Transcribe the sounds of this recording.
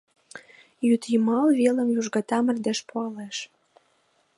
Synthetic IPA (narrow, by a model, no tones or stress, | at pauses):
jyt̪jimɑlβelə̆mjuʒɡɑt̪ɑmə̆rd̪eʃpoɑleʃ